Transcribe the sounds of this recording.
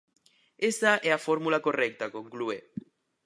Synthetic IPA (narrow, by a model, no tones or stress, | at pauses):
esaʔɛafoɾmulakorɛk̚t̪akoŋklue